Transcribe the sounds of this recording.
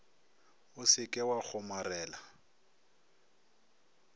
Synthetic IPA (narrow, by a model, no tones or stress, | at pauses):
ʊsɪkʼɛwak͡xʰʊmarɛːla